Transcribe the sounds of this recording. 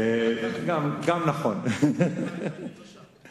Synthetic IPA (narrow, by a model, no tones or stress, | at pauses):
ɡamɡamnaχɔn